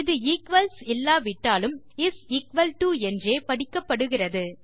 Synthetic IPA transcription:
ɪðɯikʋɐlsɪlːaːʋɪʈːaːlɯm | ɪsɪkʋɐlʈuːɛndreːpɐɽɪkːɐpːɐɽɯɣɪrɐðɯ

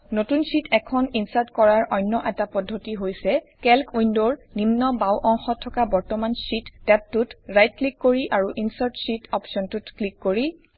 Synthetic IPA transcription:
notunsitʰɛkʰɔninsaɹtkɔɹaɹʔɔjnːɔʔɛtapɔdʱːotiɦojsɛ | kɛlkʰujndoɹnimnɔbawʔɔŋxɔtʰːɔkabɔɹtɔmansitːɛp̚tutɹajt̚klikːoɹiʔaɹuʔinsaɹtsitʰɔpsɔntutklikːoɹi

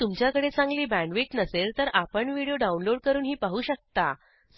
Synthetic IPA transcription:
t̪umt͡ɕjakəɽet͡sãŋɡliːbæ̃ɳɖʋiːʈnəseɾt̪əɾapəɳʋiɽijoɖaunloɽ̚kəɾuːnɦiːpaɦuːɕək̚t̪a

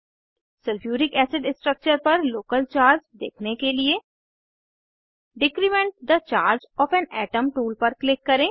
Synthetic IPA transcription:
sɪlfʰjuːɾɪkɛːsɪɖɪsʈɾək̚t͡ʃəɾpɐɾloːkəlt͡ʃaːɾd͡ʒd̪ḛːkʰnekelie | ɖɪkɾimɛ̃ɳʈ̚d̪ət͡ʃaːɾd͡ʒɔːfɛːnɛːʈəmʈuːlpɐɾklɪkːɐɾẽː

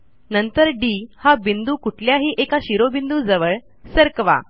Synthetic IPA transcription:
nənt̪əɾɖihabind̪uːkuʈʰljaɦiːʔekaɕiɾobind̪uːd͡zəʋəɭ | səɾkʋa̰

